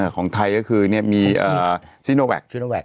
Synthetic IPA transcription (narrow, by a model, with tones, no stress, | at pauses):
kʰɔː˩˦ŋt̪ʰa˧jkɔː˥˩kʰɯː˧ni˥˩əmiː˧ʔəː˨˩si˦˥˩noː˧wɛ̰˨˩k̚w